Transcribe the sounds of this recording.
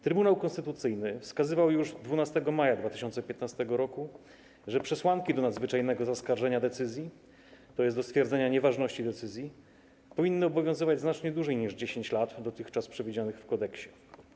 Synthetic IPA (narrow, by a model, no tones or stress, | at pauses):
t̪ɾɘbunawkɔ̃nst̪ɘt̪ut̪sɘjnɘfskazɘvawjuʐd̪vunast̪ɛɡɔmajad̪vat̪ɘ̥ɕɔnt̪sɛpʲjɛt̪nast̪ɛɡɔɾɔku | ʐɛpʂɛswaŋkʲid̪ɔnad̪zvɘt͡ʂajnɛɡɔzaskaɾʐɛɲad̪ɛt̪sɘzʲji | t̪ɔjɛsɔst̪fʲjɛɾd̪zɛɲaɲɛvaʐnɔɕt͡ɕid̪ɛt̪sɘzʲji | pɔvʲinːɨɔbɔvʲjɔ̃w̃zɘvad͡ʑznat͡ʂɲɛd̪uʐɛjɲiʐd͡ʑeɕeɲt͡ɕlat̪d̪ɔt̪ɘxt͡ʂaspʂɛvʲid͡ʑanɘxfkɔd̪ɛkɕɛ̥